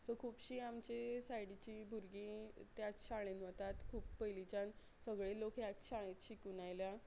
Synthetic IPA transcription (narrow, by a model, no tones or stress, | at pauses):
səkʰuːpɕiːamt͡ɕesajɽit͡ɕiːbʱuɾɡit̪jat͡sɕaɭ̃enʋət̪at̪kʰuːpːəjlit͡ɕan | səɡɭelokʰjat͡sɕaɭ̃et͡s̪ɕikunajlja